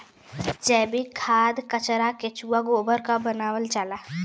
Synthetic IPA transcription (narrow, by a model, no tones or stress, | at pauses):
d͡ʒɛːbʱikʰaːd̪kət͡ʃɾaket͡ʃuːaɡoːbəɾkabənaːʋəlt͡ʃaːlaː